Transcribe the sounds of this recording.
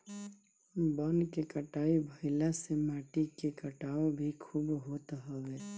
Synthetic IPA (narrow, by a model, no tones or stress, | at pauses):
bənkekəʈaːibʱəɪlasemaːʈikekəʈaːobʱikʰubɦoːt̪ɦəʋe